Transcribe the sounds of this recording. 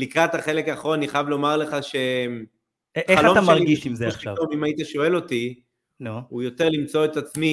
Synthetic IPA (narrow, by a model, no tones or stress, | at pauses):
likʁat̪haχe̞lekaːχʁo̞nniχajavlo̞maʁle̞χaʃem | χealaomaʃmeaʁiɡiʃimzeaʃia̰vomimait̪aʃo̞e̞lo̞ti | noujo̞t̪e̞ʁlimt͡so̞et̪at͡smi